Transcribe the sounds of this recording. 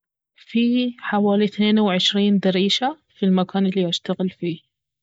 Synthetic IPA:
fiːħawaːliθneːnawʕɪʃɾiːnd̪aɾiːʃa | filmakaːnɪlːiːʔaʃt̪aɣɪlfiː

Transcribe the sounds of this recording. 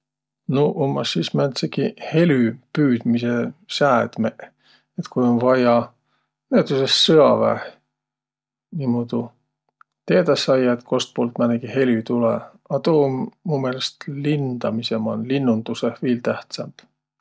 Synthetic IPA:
noʔomːɑsːismænt̪sekihe̞lʲypyːd̪̥misesæːd̪̥meʔ | et̪kujonvɑjɑ | net̪usesːɤɑvæ̰h | nimod̪̥u | t̪e̞ːd̪ɑsːɑjɑet̪kʰo̞st̪̚poːlt̪mæneɡ̥ihe̞lyt̪ulḛ | ɑt̪oːmmuːme̞ːlest̪lind̪ɑmisemɑnlinːund̪̥usehviːlt̪æht̪sɑmb̥

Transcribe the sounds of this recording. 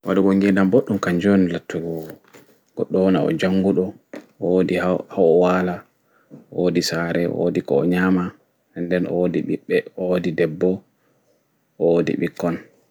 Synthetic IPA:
waɗɔɡɔŋɡɛdamboɗːumkaɲd͡ʒonilatːuɡɔ | ɡ̥ɔ̰ɗɔnaɔ̰d͡ʒaŋɡuɗɔ | ɔodihawaːla | oːdisaːɾɛ̰o̰dikɔ̰ɔ̰ɲama | ɛndɛnʔɔ̰diɓḭɓːɛɔodidɛbːɔ | ʔɔodḭɓikːɔn

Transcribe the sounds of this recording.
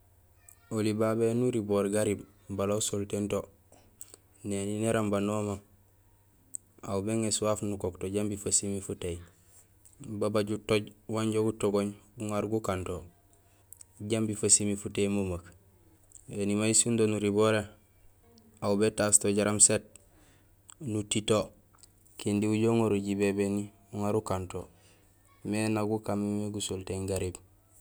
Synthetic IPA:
olibabenuɾiboɾɡaɾib | balausoltento | nenineɾambanoːma | a̰wubeŋesuwafnukoktoɟambifasimifuteji | babaɟutoɟwaɲɟoɡutoɡoɲbuŋaɾɡukanto | ɟambifasimifutemumak | enimaisundonuɾiboɾe | aubetastoɟaɾamset̚ | nutito | kindiuɟoŋoɾuɟibebeni | uŋaɾukanto | menaɡukamimeɡusolteŋɡaɾib

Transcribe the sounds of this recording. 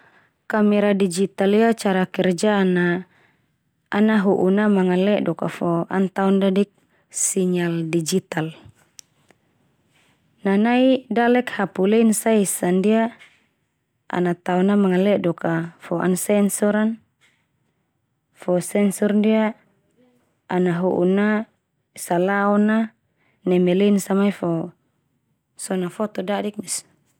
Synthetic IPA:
kamɛɾadid͡ʒit̪aliat͡ʃaɾakɛrd͡ʒana | naɦuʔunamaŋalɛʔdɔka̰fɔa̰nt̪aɔndadik̚ | siɲaldid͡ʒit̪al | nanaidalɛkhapulɛinsaisandia | a̰nat̪aɔnamaŋalɛdɔkafɔa̰nsɛnsɔɾan | fɔsɛnsɔrndia | naɦṵʔṵna | salaɔna | namɛlɛinsamaifɔ | sɔnafɔt̪ɔdadik̚mis

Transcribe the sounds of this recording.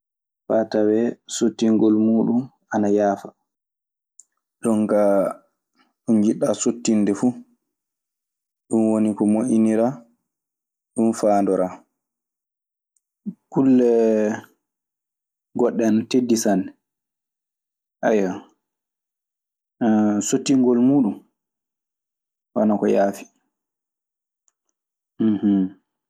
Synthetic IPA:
fatawɛsotːiŋɡɔlmuːɗun | anajaːfa | ɗɔŋɡa | ɗund͡ʒiɗasotːinːdɛfu | ɗumwonikɔmoʔiniɾa | ɗumfaːndɔɾa | kulːɛ | ɡɔɗːɛntedːisanɛ | ʔaja | sotːiŋɡɔlmuːɗum | wanakɔjaːfi̥ | h̩

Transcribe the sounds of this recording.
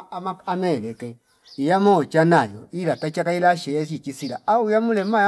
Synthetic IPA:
maamɛːlɛkɛ | ijamɔt͡ʃanajɔ̰ilatat͡ʃakailaʃɛɛs̬it͡ʃisilaaujamulɛma

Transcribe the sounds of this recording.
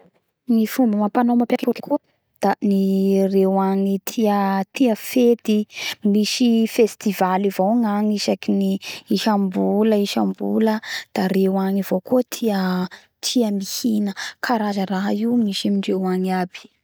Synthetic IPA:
nifumbəmapanomapakakuki̥kuə | d̪̥anirewaŋit̪ʰiət̪iəfet̪imiʃifest̪ivalivoŋaŋiʃakiniːʃambuləiʃambṵləd̪̥aɾewaŋiv̥okuət̪ʰiə | t̪ʰiəmihinəkʰaɾazəɾaɦaiumiʃamiɳɖ͡ʐewaŋiabi̥

